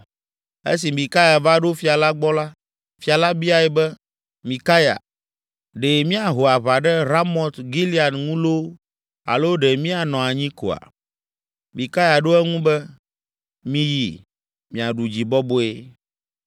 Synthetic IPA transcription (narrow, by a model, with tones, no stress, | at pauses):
ḛ˦s̬i˨mĩ˨ka˦ja˨va˦ɖo˦fi˨a˨la˦ɡ͡bɔ˦la˦ | fi˨a˨la˦bi˦a˨jɛ˨bɛ˦ | mĩ˨ka˦ja̰˨ | ɖe˨mĩ˦a˨ɦo˨a˨βa˨ɖɛ˦ɾa˦mɔ˨t̪ɡi˦li˦a˨nŋũ˦lo˦ | a̰˨lo˦ɖɛ˨mĩ˦a˨nɔ̃˨a˨ɲĩ˦ko̰˨a̰˨ | mĩ˨ka˦ja˨ɖo˦ɛ˦ŋũ˦bɛ˦ | mĩ˦ji˨ | mĩ˨a˨ɖu˨d͡ʑi˨bɔ˦bo˦e˦